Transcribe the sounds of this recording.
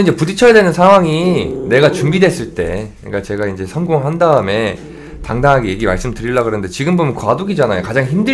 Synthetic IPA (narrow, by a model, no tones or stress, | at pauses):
ind͡ʑe̞pudit͡ɕʰʌjadwe̞nɯnsʰaŋɦwaŋine̞ɡat͡ɕumbidwe̞s͈ɯɭt͈e̞̰ɯik͈at͡ɕe̞ɡaind͡ʑe̞sʰʌnɡoŋɦandaɯme̞ | taŋdanŋɦaɡeje̞ɡima̰ɭs͈ɯmtɯɾiɭːaɡɯɾʌnɯnde̞t͡ɕiɡɯmbomjʌnkwadoɡid͡ʑanajokad͡ʑaŋçimdɯ